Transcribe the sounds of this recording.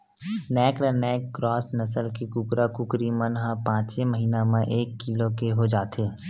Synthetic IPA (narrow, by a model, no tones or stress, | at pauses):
nɛːkɽənɛːkːɾɔːsnəsəlkikʊkɾakʊkɾimənɦãpãːt͡ʃeməɦiːnamẽʔeːkːilokeɦod͡ʒaːt̪eː